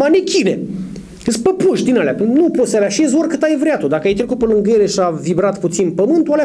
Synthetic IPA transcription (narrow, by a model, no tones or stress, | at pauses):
anekʲine | əspəpuʃd̪inalʲa̰pnuposavaʃezorkɨt̪ajvɾeat̪ud̪akəajt̪ɾe̞kut̪̚pəlɨŋɡeɾeʃavibɾat̪put̪sinpəmɨnt̪uwale